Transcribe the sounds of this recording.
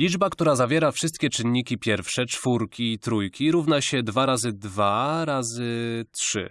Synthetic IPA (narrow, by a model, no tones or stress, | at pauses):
lʲid͡ʐbakt̪uɾazavʲjɛɾafʂɘst̪̚kʲɛt͡ʂɘnːikʲipʲjɛɾfʂɛt͡ʂfuɾkʲiːt̪ɾujkʲiɾuvnaɕɛd̪vaɾazɘd̪vaɾazɘtʂɘ̰